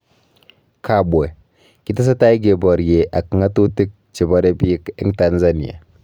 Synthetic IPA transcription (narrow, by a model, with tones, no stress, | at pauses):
kʰa˨be˨ | ki˦ta˦s̬a˦ta˦i˦ɡe˨bɔ˨ɾje˨ʔa˨ki˨ŋa˦tu˦ti˦k̚t͡ʃi˨bɔ˦ɾe˦bi˦i˦ki˦ŋta˦nza˦ni˨a̰˨